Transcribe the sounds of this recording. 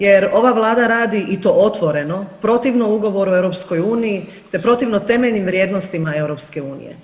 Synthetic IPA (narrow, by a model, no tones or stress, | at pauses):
je̞ɾo̞ʋaʋlˠaːd̪aɾaːd̪iʔit̪o̞ːʔo̞t̪ʋo̞ɾe̞no̞pɾo̞t̪iʋnouɡo̞ʋo̞ɾuewɾopsko̞juːniji | t̪e̞pɾo̞t̪iʋno̞t̪e̞meʎnimʋɾje̞ːd̪no̞st̪imae̞wɾo̞pske̞uːnḭjḛ